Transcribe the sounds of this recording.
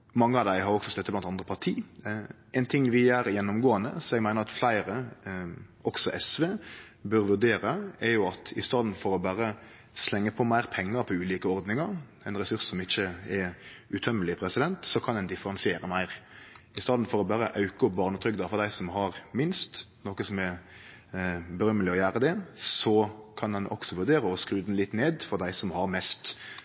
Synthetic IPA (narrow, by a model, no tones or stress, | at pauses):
mɑŋːəɑʋd̪æɪɦɑɾɔksɔst̪œt̪ːəblɑnt̪ɑnd̪ʁəpʰɑʁt̪ʰiː | ɛnt̪ʰɪŋʋɪæɾjɛnːɔmɡoːənə̰sɔɛɡmæɪnəɾɑt̪flæɪɾə | ʔɔksɔʔɛsʋeː | bœɾʋʉd̪eːɾəɛɾjʊɑt̪ʰɪst̪ɑːd̪n̩fɔɾɔbæɾə | slɛŋːəpʰɔmæɪɾpʰɛŋːəɾpʰɔʉːliːkəɔɾd̪nɪŋɑɾ | ɛɪnɾɛsʉɾssɔmɪçːəɛʉt̪ʰœmːəlɪpʰɾɛsɪd̪ɛnt̪sɔkʰɑnɛnd̪ɪfəɾɑnsɪeːɾəmæɪɾ | ɪst̪ɑːd̪n̩fɔɾɔbæɾəʔɑʉkəɔpbɑːʁnət̪ʰɾʏɡ̚d̪ɑfɔʁd̪æɪsɔmhɑʁmɪnst̪noːkəsɔmɛ | bəɾœmːəlɪɔjæːɾəd̪ɛsɔkʰɑnɛnʔɔ̰ksɔʋʉʁd̪eːɾəɔskɾʉːd̪n̩lɪt̪ːneːd̪fɔɾd̪æɪsɔmhɑɾmɛst̪